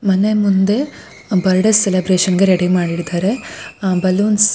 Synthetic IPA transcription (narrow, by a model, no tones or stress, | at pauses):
mɐnemund̪e̞ | bɐɾɖɐsselebɾeːʃɐnɡeɾeɽimaːɽiɽid̪aːɾe̞bɐluːns